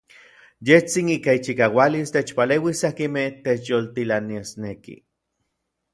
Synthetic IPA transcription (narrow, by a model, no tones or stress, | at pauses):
jeht͡siniːkait͡ʃikaːwalist̪et͡ʃpaleːwisakimeht̪et͡ʃjolt̪ilaniasnekḭ